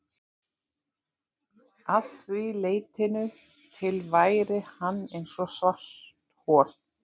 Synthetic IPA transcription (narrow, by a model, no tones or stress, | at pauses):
aθvɪleːjt̪ʰɪnʏ | t̪ʰɪlvaːjɾɪhanːejnsɔsvar̥t̪hɔːɾ